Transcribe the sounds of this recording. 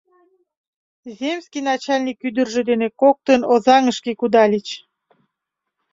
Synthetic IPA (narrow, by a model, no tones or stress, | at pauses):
zʲemskijnɑt͡ɕɑlʲnʲikːyd̪ərʒĕd̪enekok̚t̪ənozɑŋəʃkikud̪ɑlʲit͡ɕ